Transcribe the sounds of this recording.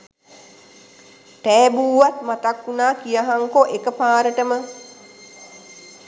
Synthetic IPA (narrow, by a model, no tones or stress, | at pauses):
ʈɛːbuːʋat̪mat̪akːunaːkijaɦaŋkoʔekəpaːɾəʈəmə